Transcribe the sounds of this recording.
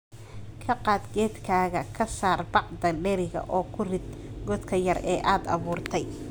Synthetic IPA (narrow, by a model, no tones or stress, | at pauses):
kʰɐqɑːd̪ɡɛːd̪kʰaːɣɐkʰɐsaːrbɑqd̪ɐɖɛɾɪɣɐ̰ʔɔːkʰʊrɪd̪ɡɔːd̪kʰɐjɐrɛːʔaːd̪ɑ̰βuːrt̪ʰɛj